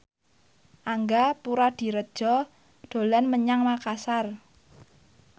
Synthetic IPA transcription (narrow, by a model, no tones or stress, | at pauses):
ʔaŋɡapuɾad̪̥i̤ɾəd̥ʒ̥ɔ | d̥o̤lanməɲaŋmakasar